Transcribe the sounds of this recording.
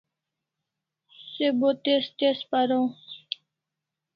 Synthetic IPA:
seboːt̪est̪espəɾõː

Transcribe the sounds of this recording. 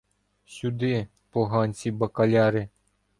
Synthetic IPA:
sʲud̪ɪ | pɔɦɑnʲsʲibɐkɐlʲɑɾɪ

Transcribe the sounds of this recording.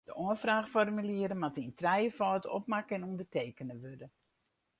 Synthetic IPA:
d̥əʔoənfraːxfɔrmyliəɾəmatintʰrɛjəfɔːtɔ̰pmakɛnundərteːkənəʋødə

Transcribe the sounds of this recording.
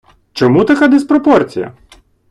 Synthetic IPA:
t͡ʃɔmut̪ɐkad̪ɪspɾɔpɔrt͡sʲijɐ̰

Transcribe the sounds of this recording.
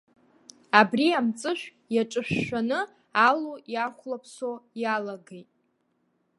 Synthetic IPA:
abriamt͡sʼɨʃᶣʷ | jaʈ͡ʂʼɨʃᶣːʷanɨ | alujaχʷlapʰsojalaɡejtʼ

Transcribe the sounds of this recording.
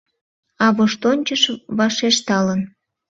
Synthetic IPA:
ɑβoʃt̪onʲt͡ɕəʃβɑʃeʃt̪ɑlən

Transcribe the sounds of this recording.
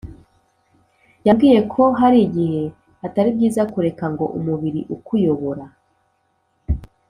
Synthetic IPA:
jabɡiːje̞kʰo̞ɦaɾiɟihe̞ | ataɾibɟiːzakuɾe̞kaŋɡo̞̰ʔṵmuβiɾiʔukujo̞βo̞ɾa

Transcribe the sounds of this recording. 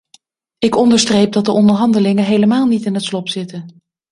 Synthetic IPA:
ɪkɔndəɹstrejp̚dɑt̚dəʔɔndəɹɦɑndəlɪŋəɦejləmaːlˠnitɪnɦətslɔpsɪtən

